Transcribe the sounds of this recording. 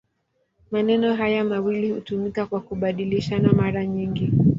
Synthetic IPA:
manɛnɔɦajamawilihutumikakwakuɓaɗiliʃanamaɾaɲiŋɡi

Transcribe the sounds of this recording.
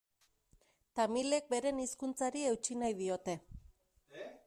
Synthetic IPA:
t̪amile̞k̚be̞ɾe̞niskunt͡saɾie̞wt͡ʃinajð̞io̞t̪e̞

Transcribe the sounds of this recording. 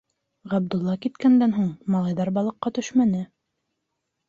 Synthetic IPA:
ʁæb̚d̪ŭlˠːɑkit̪kænd̪ænɦuɴmɑlˠɑjðɑɾbɑlˠɤ̆qːɑt̪ɵʃmænɘ

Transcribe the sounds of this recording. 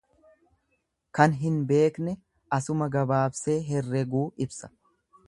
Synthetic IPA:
kɐnɦɪnbe̞ːknɛ | ʔɐsʊmɐɡɐbaːbse̞ːɦɛrːɛɡuːɪbsɐ̥

